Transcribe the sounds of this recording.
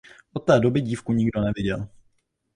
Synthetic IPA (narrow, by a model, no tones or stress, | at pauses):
ʔot̪̚ːɛːdo̞bɪɟiːfkuɲɪɡdo̞nɛvɪɟɛl